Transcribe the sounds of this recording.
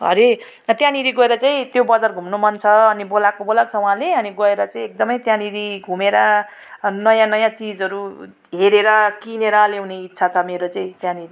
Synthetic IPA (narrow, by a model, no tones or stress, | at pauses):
ɦʌ̰ɾe | t̪jãniɾiɡʌeɾʌt͡saĩt̪jobʌd͡zarɡʱumnomʌnt͡sʰʌːnibolakobolakt͡sʰʌũɦãleʌniɡʌeɾʌt͡saĩek̚d̪ʌmʌjt̪jãniɾiɡʱumeɾʌ | nʌjãnʌjãt͡sid͡zʌɾu | ɦeɾeɾʌkineɾʌleũneitːsʰat͡sʰʌmeɾot͡saĩt̪jãniɾi